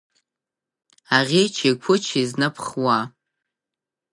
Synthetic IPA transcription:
aʁʲit͡ʃʰikʷʰʊt͡ʃʰiznɨpʰχwa

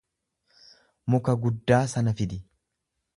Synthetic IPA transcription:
mʊkɐɡʊd̪ːaːsɐnɐfɪd̪ɪ

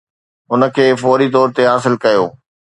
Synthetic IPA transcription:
ʊnə̆kʰeːfɔːɾit̪ɔːɾt̪eɦaːsɪlkɐjoː

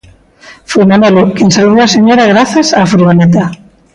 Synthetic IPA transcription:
fujmanelokensalβoaseɲoɾaɣ̞ɾaθasafɾuɣanet̪a

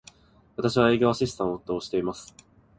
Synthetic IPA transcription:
βat̪aɕiβ̞ae̞ːɡʲo̞aɕisɨ̥t̪ãoːt̪ːo̞ːɕi̥t̪e̞imasɨ̥

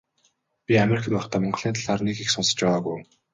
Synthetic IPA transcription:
pʲiameɾikʰə̆t̪pɔχt̪ʰæːmɔɴɢ̆ɮiːnt̪ʰaɮaːrnekixsʊnsə̥̆t͡ɕpæʁaːɣuj

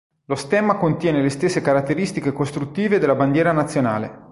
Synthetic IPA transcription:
lost̪ɛːmakont̪jɛːnelest̪esːekaɾat̪ːeɾist̪ikekost̪ɾut̪ːiːved̪elːaband̪jɛːɾanat̪sːjona̰ːlḛ

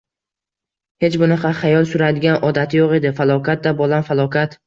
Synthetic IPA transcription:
he̞t͡ʃbʊnɪqɑχajɒlˠsʊɾad̪ɪɡʲanɒd̪at̪ʰɪjoʁe̞d̪ɪfalˠɒkʰʲat̪̚d̪abɒlˠamfalˠɒkʰʲat̪

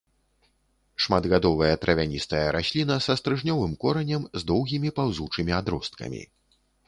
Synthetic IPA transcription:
ʂmad̪ɣad̪ɔvɐjɐt̪ɾʔɐvʲanʲist̪ɐjɐɾʔasʲlʲinɐsɐst̪ɾɨʐnʲɔvɨmkɔɾɐnʲɐmzd̪ɔwɣʲimʲipawzut͡ʂɨmʲiad̪ɾɔst̪kɐ̰mʲḭ

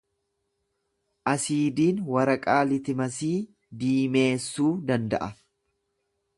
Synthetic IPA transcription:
ʔɐsiːd̪iːnwɐɾɐkʼaːlɪt̪ɪmɐsiː | d̪iːme̞ːsːuːd̪ɐnd̪ɐ̰ʔɐ

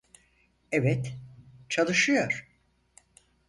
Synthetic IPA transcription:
ɛvɛt̪t͡ʃʰalˠɯʃɯjoɾ̥

